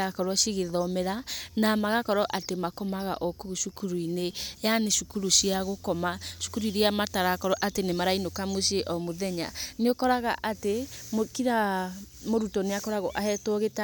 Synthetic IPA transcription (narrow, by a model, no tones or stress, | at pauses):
akɔɾɔʃiɣeðɔmɛɾanamaɣakɔɾɔʔatemakɔmaɣa̰ʔɔkuuʃukuɾuinejaneʃukuɾuʃiaɣokɔmaʃu̥kuɾuiɾiamataɾakɔɾɔʔatenemaɾainokamoʃeʔɔmoðɛɲa̰neokɔɾaɣa̰ʔatemokiɾa | moɾutɔneakɔɾaɣoʔahɛtoɣeta